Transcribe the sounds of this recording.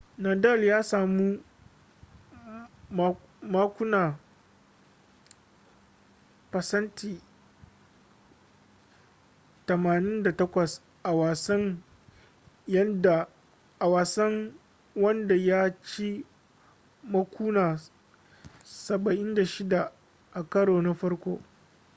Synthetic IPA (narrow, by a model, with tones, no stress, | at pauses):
na˨dɐ˦˨ljaː˦saː˨mu˦ | maː˦kʷʊ˦naː˨ | pɐ˨sɐ˦ntʰiː˨ | tɐ˨maː˨nɪ˦nda˨tɐ˦kʷɐ˨s | ʔa˨wa˨sɐ˦ŋ | jɐ˦nda˨ | ʔa˨waː˨sɐ˦ŋ | wɐ˦nda˨ja˦t͡ʃi˦ | mɐ˦kʷuː˦naː˨ | sɐ˨bɐ˨ʔɪ˦nda˨ʃɪ˦da˨ | ʔa˨kɐ˦ɽoː˨na˦ɸɐ˦ɽkʷoː˦